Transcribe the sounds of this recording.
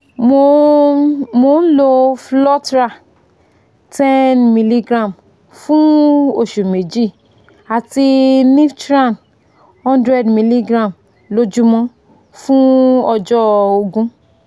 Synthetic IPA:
mo˧ | mo˨˦n̩˦lo˧flɔ˦tɾa˦˨ | tɛ˦nmi˨li˦ɡɾã˦˨m | fũ˦o˦˨ʃu˨me˨d͡ʒi˦˨ | a˨ti˧nĩ˦ftɾã˦˨n | hɔ̃˦ndɾɛ˦˨dmi˨li˦ɡɾã˦˨m | lo˧˦d͡ʒu˦mɔ̃˦ | fũ˦ɔ˧d͡ʒɔ˦o˧ɡũ˦

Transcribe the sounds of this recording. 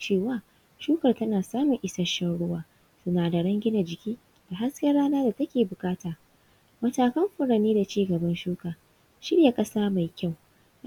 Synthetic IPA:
t͡ʃeː˦˨waː˨ | ʃuː˦kɐ˨rtɐ˦naː˨saː˦mʊ˨ŋʔɪ˦sɐ˦ʃɐ˦ɽʊ˦waː˦ | sʊ˦naː˨da˨ɽɐ˦ŋɡʲɪ˦na˨d͡ʒɪ˨kʲiː˦ | d̥a˨ɦa˦skʲɐ˦rɽaː˦naː˦da˨tɐ˦kʲeː˨bʊ˨kʼaː˦taː˨ | mɐ˨taː˨kɐ˦mɸʊ˨ɽa˨neː˦da˨t͡ʃiː˦ɡɐ˨bɐ˦nʃuː˦kaː˨ | ʃɪ˦ɽja˨kʼɐ˦saː˦ma˨jkʲa˦˨w

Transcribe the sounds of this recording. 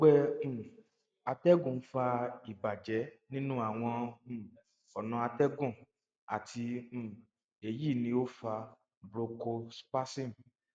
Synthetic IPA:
ɡ͡bɛ̃˦˨ | a˧tɛ˦ɡũ˨˦fa˧i˨ba˨d͡ʒɛ˨˦nĩ˦nũ˦a˦˨w̃ɔ̃˧˦˨ | ɔ˨nã˧a˧tɛ˦ɡũ˦˨ | a˨tʰĩ˧˨ | e˧ji˦˨nĩ˧o˦fa˧ | bɾo˧ko˧spa˦sĩ˦˨m˨

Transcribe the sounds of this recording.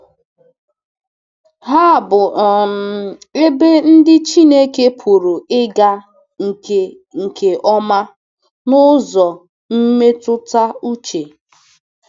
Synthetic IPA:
ɦa˦˨bʊ˨ɔ˨m̩˨e˦be˦n̩˦dɪ˦t͡ʃi˦ne˦ke˦pʰu˨ɾu˨ɪ˦ɡa˦ | ŋ̩˨e˨ | ŋ̩˨kʰe˨ʔɔ˦ma˦ | nʊ˦zɔ˨ | m̩˦me˦tʊ˦ta˦u˦t͡ʃe˨

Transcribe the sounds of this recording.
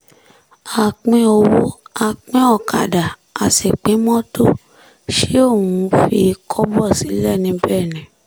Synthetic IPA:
a˧˨k͡pĩ˦ɔ˧wo˦a˧k͡pĩ˦ɔ˦˨kʰa̰˨da˨ | a˨se˨k͡pĩ˨˦mɔ̃˦to˦˨ | ʃe˦o˦˨wũ˨˧˦fi˧kʰɔ˦bɔ˦˨si˨˦lɛ˦˨nĩ˧bɛ˦˨nĩ˨

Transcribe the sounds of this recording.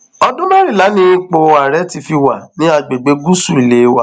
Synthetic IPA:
ɔ˧dũ˦mã˦ɾĩ˦˨la˨˦nĩ˦k͡po˧a˨ɾɛ˨˦ti˧fi˧wa˨nĩ˦a˧ɡ͡be˨ɡ͡be˧˦ɡu˦su˦˨i˨le˨˦wa˨

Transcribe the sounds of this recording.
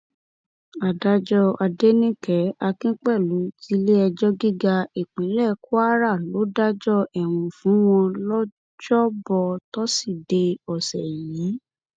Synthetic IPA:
a˨da˧d͡ʒɔ˧a˧de˦nĩ˦kɛ˨˦a˧kĩ˦k͡pɛ˦˨lu˨˦ti˦le˦ɛ˧d͡ʒɔ˦ɡi˦ɡa˧e˨k͡pĩ˨˦lɛ˦˨ku˦a˦ɾa˦˨lo˨˦da˦d͡ʒɔ˦ɛ˨w̃ũ˨fũ˨˦w̃ɔ̃˧lɔ˦ | d͡ʒɔ˦bɔ˧tɔ˦si˦˨de˧ɔ˨sɛ˨jĩ˨˦

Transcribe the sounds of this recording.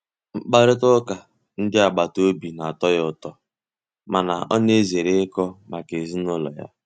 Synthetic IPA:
ŋ͡m̩˨k͡pa˦ɾɪ˦tʊ˦ka˨ | n̩˦dɪ˦a˨ɡ͡ba˨to˦bi˨na˨a˨tɔ˦jʊ˦tɔ˦ | ma˨na̰˨ɔ̰˦ne˦ze˨ɾe˦ɪ˦kɔ˦ma˨ke˨zi˦nʊ˦lɔ̰˨ja̰˦

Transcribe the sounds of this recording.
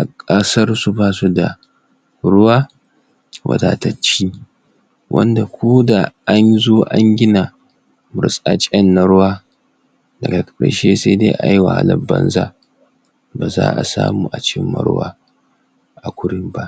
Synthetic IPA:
ʔa˨kʼɐ˦sɐ˦rsu˦baː˦su˦da˨ | ɽʊ˦waː˦ | wʔɐ̰˨daː˨ta˦t͡ʃiː˦ | wʔɐ̰˦nda˨kʷʰoː˦da˨ʔa˦nzoː˦ʔa˦ŋɡʲɪ˦na˨ | mʊ̰˨sʼa˦t͡ʃʼɛ˦nːa˨ɽʊ˦waː˦ | dɐ˨ɡa˨kɐ˨kɐ˨ʃeː˦seː˦deː˦ʔa˨jwa˨ha̰˦lɐ˨bːɐ˦nza˦ | baː˨za̰ː˦ʔa̰˨sa̰ː˦muː˦ʔa˨t͡ʃɪ˦mːɐ̰˨˦ɽʊ˦wa̰ː˦ | ʔa˨kʷʊ˦ɽɪ˦mba˦ʔ

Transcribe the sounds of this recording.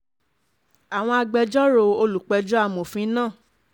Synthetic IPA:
a˨w̃ɔ̃˧a˧ɡ͡bɛ˧d͡ʒɔ˦ɾo˨˧˨o˧lu˨k͡pɛ˧d͡ʒɔ˦a˦˧˨mõ˨fĩ˨˦nãː˦˨

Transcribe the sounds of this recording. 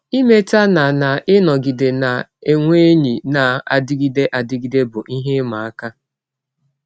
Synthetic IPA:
i˦me˦ta˦na˨na˨ʔɪ˦nɔ˨ɡi˨de˨na˨e˨ŋʷe˦ɲi˨na˨a̰˨dɪ˦ɡi˦de˦ʔa˨dɪ˦ɡi˦de˦bʊ˨ʔi˦ɦe˦ma˨a˦ka˦

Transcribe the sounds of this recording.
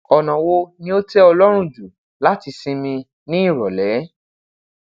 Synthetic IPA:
ɔ˨nã˨wo˧nĩ˧˦o˦tɛ˦ɔ˧lɔ˦ɾ̃ũ˦˨d͡ʒu˨ | la˦ti˧sĩ˧mĩ˧ | nĩ˦i˦˨ɾɔ˨lɛ˨˦

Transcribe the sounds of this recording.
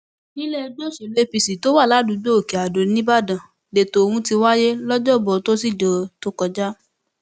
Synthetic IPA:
nĩ˦le˦˧do˦ʃe˨le˦pi˧si˨to˨˦wa˦˨la˨˦dũ˨˧˦ɡ͡bo˦o˦˨ke˨a˨do˨˦nĩ˦ba˦˨dã˨ | de˨to˨˧hũ˧˦ti˧wa˦je˦lɔ˦d͡ʒɔ˦˨bɔ˨to˦si˦˨d͡ʒɔ˨to˦kɔ˧d͡ʒa˦

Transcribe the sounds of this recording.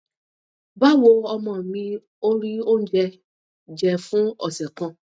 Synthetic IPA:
ba˦˨wo˧ɔ˧mɔ̃˨mĩ˧ | o˦ɾi˦o˦n̩˦d͡ʒɛ˧ | d͡ʒɛ˧fũ˦ɔ˨sɛ˨kã˧

